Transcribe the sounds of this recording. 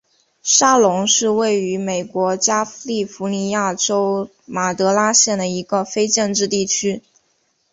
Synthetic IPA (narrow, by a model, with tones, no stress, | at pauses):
ʂa˥lʊ˧˥ŋʂɻ̩˥˧we˥˩ɪy˧˥me˨˩ɪkwɔ˧˥t͡ɕja˥li˥˩fu˧˥ni˧˥ja˥˩ʈ͡ʂo˥ʊ | ma˨˩t̪ɤ˧˥la˥ɕjɛ˥˩nd̪ə˩i˧˥ɡə˧fe˥ɪt͡ɕə˥˧nʈ͡ʂɻ̩˥˧t̪i˥˩t͡ɕʰy˥